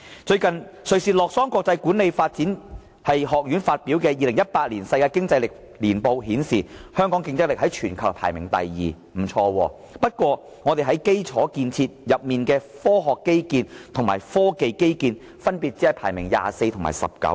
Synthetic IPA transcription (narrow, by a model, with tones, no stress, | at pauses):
t͡ʃɵ˧ɥkɐ˨nsɵ˨ɥsiː˧lɔː˨k̚sɔː˥ŋkʷwɔː˧k̚t͡sɐ˧jkuː˨˥nle˨˧jfaː˧t̚t͡siː˨˥n | hɐ˨jɦɔː˨k̚jyː˨˥nfaː˧t̚piː˨˥wkɛː˧jiː˨˧lɪ˨˩ŋjɐ˥t̚paː˧t̚liː˨˩nsɐ˧jkaː˧kɪ˥ŋt͡sɐ˧jlɪ˨k̚ | liː˨˩npo˨˧wɦiː˨˥nsiː˨hœː˥ŋkɔː˨˥ŋkɪ˧ŋt͡sɪ˥k̚lɪ˨k̚ɦɐ˨˥jt͡ʃʰyː˨˩nkʰɐ˨˩pʰa̰ː˨˩jmɪ̰˨˩ŋt̪ɐ̰˨jːiː˨ | m̩˨˩t͡ʃʰɔː˧wɔː˧ | pɐ˥t̚kwɔː˧ | ŋɔː˨˧t̪e˨˩jɦɐ˨˥jke˥jt͡sʰɔː˨˥kiː˧nt͡sʰiː˧t̚jɐ˨p̚miː˨nkɛː˧fɔː˥ɦɔː˨kːe˥jkiː˧nt̪ʰʊ˨˩ŋmaː˨˩jfɔː˥ke˨jke˥jkiː˧n | fɐ˥npiː˨t̚t͡si˨˥hɐ˨˩jpʰaː˨˩jmɪ˨˩ŋja̰ː˨se˧jt̪ʰʊ˨˩ma̰ː˨˩sɐ̰˨p̚kɐ̰˨˥w